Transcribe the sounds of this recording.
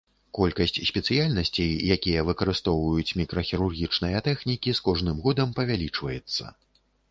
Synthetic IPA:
kɔlʲkɐsʲt͡sʲsʲpʲɛt̪sɨjalʲnɐsʲt͡sʲejjakʲijɐvɨkɐɾɨst̪ɔwvɐjut͡sʲmʲikɾɐxʲiɾurɣʲit͡ʂnɐjɐt̪ɛxnʲikʲiskɔʐnɨmɣɔd̪ɐmpɐvʲalʲit͡ʂvɐjɛt̪sːɐ̰

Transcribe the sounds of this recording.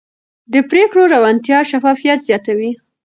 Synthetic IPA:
d̪əpɾekɽoɾawant̪jɑʃafɑfijat̪zjɑt̪awi

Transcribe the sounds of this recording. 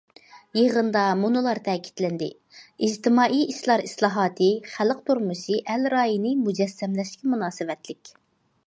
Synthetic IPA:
jeʁənd̪ɑmunɨlˠɑɾt̪ʰɛːkʲʰi̥t̪lɪnd̪ɪ̰ | id͡ʒt̪ʰɪmɑːʔijiʃlˠɑɾislˠɑːɦɑːt̪ʰɨχæləq̚t̪uɾmuʃiʔælɾɑːjinɨmud͡ʒɛsːɛmlɛʃkʲimunɑːsɨvɛt̪lɪkʲ

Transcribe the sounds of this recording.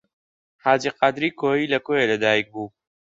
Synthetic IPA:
haːd͡ʒiqad̪ɾiːkʰoːiːlɐkoːjeːlɐd̪aːjik̚buː

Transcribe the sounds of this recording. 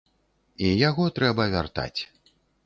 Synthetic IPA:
ijaɣɔt̪ɾɛbɐvʲart̪a̰t͡sʲ

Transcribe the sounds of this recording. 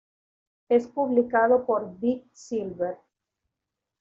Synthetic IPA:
espuβlikaðopoɾd̪isilβeɾ

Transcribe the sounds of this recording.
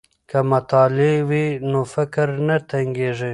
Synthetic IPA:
kamat̪ɑːlewinofɪkɾnat̪aŋɡeʐe

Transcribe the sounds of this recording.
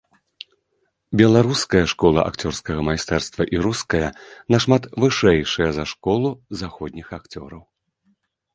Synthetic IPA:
bʲɛlˠaɾuskɐjɐʂkɔlˠɐ̰ʔa̰kt͡sʲɔrskɐɣɐmajst̪ɛrst̪vɐʔiɾuskɐjɐnɐʂmat̪vɨʂɛjʂɐjɐzaʂkɔlˠuzaxɔd̪̚ʲnʲixakt͡sʲɔɾɐw

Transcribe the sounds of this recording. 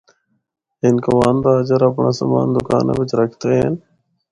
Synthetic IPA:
ɪnkoʋaːnd̪aːəd͡ʒəɾəpɳaːsə̰ma̰ːnd̪ʊka̰ːnḛʋɪt͡ʃɾəkʰt̪eːɦn

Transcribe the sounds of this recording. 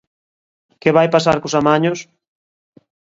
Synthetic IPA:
kɪβajpasaɾkʊsamaɲʊs

